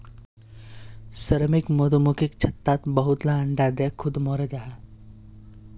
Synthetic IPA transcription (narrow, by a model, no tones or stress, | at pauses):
səɾmɪkmod̪omukikt͡ʃʰɐt̪ːaːt̪bɐɦʊt̪laɐ̃ɳɖad̪ekʰʊd̪mɔːɾed͡ʒaːɦa